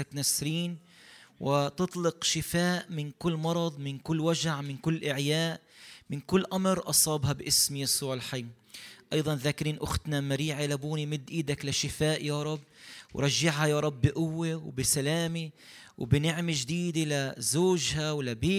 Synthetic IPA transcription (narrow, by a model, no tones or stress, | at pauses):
aknasɾiːn | wɪt̪ɨt̪ˤlɪqʃɪfaːʔmɪnkʊlːmɑɾˤɑd̪ˤmɪnkʊlːwaʒaʕmɪnkʊlːʔɪʕjaːʔmɪnkʊlːʔamɾʔɑsˤɑːbhɑbʔɪsmijasˤuːʕɪlħajm | ʔɑjðˤɑnðaːkɪɾiːnʔʊxt̪namaɾiːʕalabuːnimɪd̪ːʔiːd̪aklaʃɪfaːʔjaːɾˤɑbːwɾˤɑʒːaʕhajaːɾˤɑbːɪʔʊwːewbɪsalaːmi | wbɪnɪʕmeʒd̪iːd̪elazoːʒhawlabeː